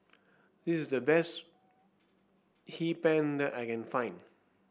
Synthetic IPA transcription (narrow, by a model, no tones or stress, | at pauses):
disɪsdəbɛs | hipɛ̃ndɛtaɪkɛ̃nfãɪ̃n